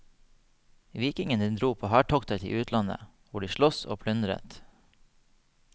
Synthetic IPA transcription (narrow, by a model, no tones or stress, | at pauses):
ʋiːkɪŋəniːnd̪ɾuːpʰoːhæːʈʰɔkt̪ət̪ʰḭːʔʉːt̪ʰlɑnə̰ | ʋʊɖiːʃlɔso̰ːpʰlʉnd̪ɾə̰t̪